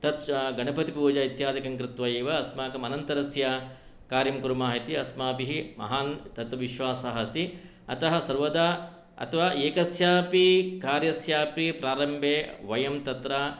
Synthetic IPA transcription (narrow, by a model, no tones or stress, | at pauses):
t̪ɐt̪ɡɐɳɐpɐt̪ipuːd͡ʒaːit̪jaːd̪ɐkɐŋkɾɪt̪ʋɐjeːʋɐɐsmaːkɐmɐnɐnt̪ɐɾɐsja | kaːɾimkuɾumaːɦit̪iɐsmaːpiɦimɐ̰ɦaːnt̪ɐt̪ʋiʃʋaːsɐɦɐst̪i | ɐ̰t̪ɐɦɐsɐɾʋɐd̪aː | ɐ̰t̪ʰɐʋaːʔeːkɐsjaːpikaːɾjɐsjaːpipɾaːɾɐmbʱeːʋɐjɐmt̪ɐt̪ɾaː